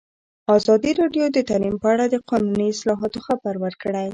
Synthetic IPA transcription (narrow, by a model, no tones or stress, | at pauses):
ɑzɑd̪iɾɑɖjod̪ət̪alimpəaɽad̪əqɑnuniɪslɑɦɑt̪oxabaɾwəɾkɽaj